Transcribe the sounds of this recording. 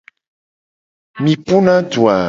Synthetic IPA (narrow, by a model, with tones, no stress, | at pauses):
mĩ˨pu˦nã˦tu˨a˨